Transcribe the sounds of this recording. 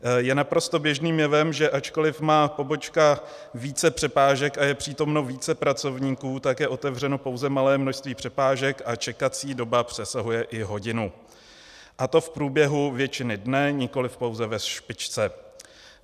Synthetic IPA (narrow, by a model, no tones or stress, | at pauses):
jɛnapɾo̞st̪o̞bjɛʒniːmjɛvɛmʒɛʔat͡ʃko̞lɪfmaːpo̞bo̞t͡ʃka | viːt͡sɛpr̥ɛpaːʒɛkajɛpr̝̥iːt̪o̞mno̞viːt͡sɛpɾat͡so̞vɲiːkuːt̪akjɛʔo̞t̪ɛvr̝ɛno̞po̞wzɛmalɛːmnoʃst̪viːpr̥ɛpaːʒɛkat͡ʃɛkat͡siːdo̞bapr̝̥ɛsaɦujɛʔɪɦo̞ɟɪnu | ʔat̪o̞fpɾuːbjɛɦuvjɛt͡ʃɪnɪdnɛɲɪko̞lɪfpo̞wzɛvɛʃpɪt͡ʃt͡sɛ